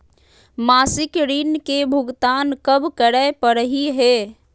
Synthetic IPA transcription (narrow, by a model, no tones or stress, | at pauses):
masɪkɾinkebʱuɡt̪ankəbkəɽəepəɾəɦiɦe